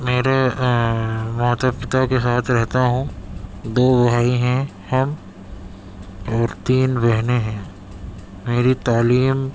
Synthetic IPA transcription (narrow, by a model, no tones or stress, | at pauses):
meːɾe | mãːt̪əpɪt̪akesaːt̪ʰɾɛɦt̪aɦũd̪oːʋɐɦaːiɦɛ̃ | hɐm | ɔːɾt̪iːnbɛɦneɦɛ̃ː | meːɾit̪aːliːm